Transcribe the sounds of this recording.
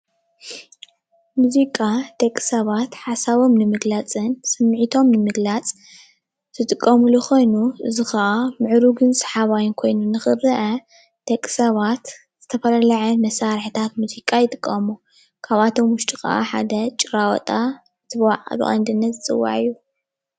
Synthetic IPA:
muzikʼad̪̥ɐkʼsɐβat̪ħasaβo̞mnɨmɨɡlat͡sʼɨnsɨmːʕit̪ʰo̞mnɨmɨɡlat͡sʼ | z̥ɨt̪ʼɨkʼːɐmuluxo̞jnuʔɨzixɐʔamɨʕɾuɡɨnsɐ̥ħaβajɪnkʰo̞jnunɨxɨɾɐʔɐ | d̪̥ɐkʼsɐβat̪ | z̥ɨt̪ʰɐfɐlɐlaʕɐmɐsaɾħit̪ʰat̪muzikʼajɪt̪ʼɨkʼːɐmu | kʰaβat̪ʰo̞mwʊʃt̪ʼixɐ̰ʔa̰ħa̰d̪ɐt͡ʃʼɨɾawɔ̰t̪ʼa | tʰɨβwa̰ʕʔʼɐ̰lṵʔa̰nd̪ɨnːɐt̪zɨt͡sʼɨ̰wːa̰ʕɨjːu

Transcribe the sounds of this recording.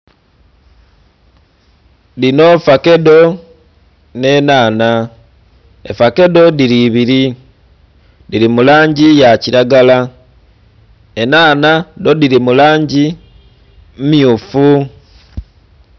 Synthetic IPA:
lino̞fake̞do̞ | ne̞naːna | ḛfake̞do̞diɾiβiɾi | diɾimulaːɲɟijaciɾaɡala | enaːnado̞diɾimulaːɲɟi | mumjufu

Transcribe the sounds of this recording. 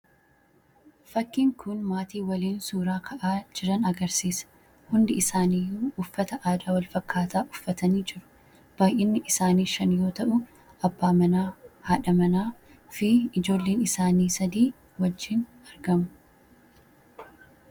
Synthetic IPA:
fɐkːiːŋkʊnmaːt̪iːwɐliːnsuːɾaːkʰɐʔaːd͡ʒɪɾɐnɐɡɐɾsiːsɐ̥ | hʊnd̪ɪɪsaːniːjːuːʊfːɐt̪ɐʔaːd̪aːwɐlfɐkʰːaːt̪aːʔʊ̥fːɐt̪ɐniːd͡ʒɪɾʊ̥ | b̥aːjʔɪnːɪʔɪsaːniːʃɐnjo̞ːt̪ɐʔʊ | ʔɐbːaːmɐnaːhaːᶑɐmɐnaː | fɪɪd͡ʒo̞ːlːeːnɪsaːniːsɐd̪iː | wɐd͡ʒːɪn | ɐɾɡɐmʊ

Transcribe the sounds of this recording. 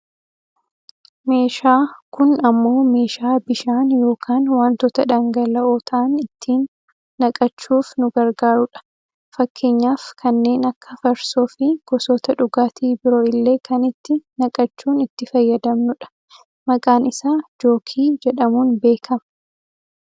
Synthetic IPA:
me̞ːʃaːkʊnɐmːo̞ːme̞ːʃaːbɪʃaːnjo̞ːkʰaːnwaːnt̪ɔt̪ɐᶑɐŋɡɐlɐoːt̪ʰɐʔɐnɪt̪ʰːiːnː | ɐkʼɐt͡ʃːuːfnʊɡɐɾɡaːɾʊᶑɐ̥ | fɐkːe̞ːɲːaːfkʰɐnːe̞ːnɐkːɐfɐɾsoːfɪɡ̥ɔsɔːt̪ɐᶑʊɡaːt̪ʰiːbɪɾoːɪlːe̞ːkʰɐnɪt̪ːɪnɐkʼɐt͡ʃːuːnɪt̪ːɪfɐjːɐd̪ɐmnʊᶑɐ̥ | mɐkʼaːnɪsaːd͡ʒo̞ːkʰiːd͡ʒɛᶑɐmuːnbe̞ːkʰɐm

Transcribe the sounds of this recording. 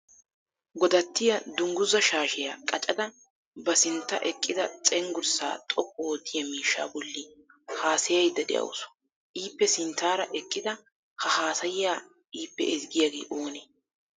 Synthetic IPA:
ɡɔd̪ɐt̪ːɪjɐd̪ʊŋɡʊzɐʃaːʃɛjaːkʼɐt͡ʃʼɐd̪ɐ | bɐsɪnt̪ːɐʔɛkʼːɪd̪ɐt͡sʼɛŋɡʊɾsa̰ːt̪ʼɔkʼːɔod̪ːɪjɐmiːʃːa̰ːbɔlːɪhaːsɛjɐjd̪ːɐd̪ɛ̰ʔɐ̰wsɔ̥ | ʔiːpːɛsɪnt̪ːaːɾɐʔɛkʼːɪd̪ɐ | hɐhaːsɐjɪjaː | iːpːɛɛzɡɪjaɡḛːʔoːne

